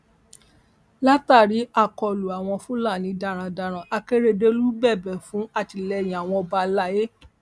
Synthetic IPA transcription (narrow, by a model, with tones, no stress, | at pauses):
la˦ta˦˨ɾi˨˦a˦˨kɔ˧˨lu˨a˨w̃ɔ̃˧fũ˦la˦˨nĩ˨˧˦da˧˨ɾ̃ã˧da˧˨ɾ̃ã˨ʔa˧ke˦ɾe˦de˦lu˦bɛ˦˨bɛ˨fũ˨˦a˦˨ti˧˨lɛ˧˨j̃a˨w̃ɔ̃˧ɔ˧ba˧la˦je˦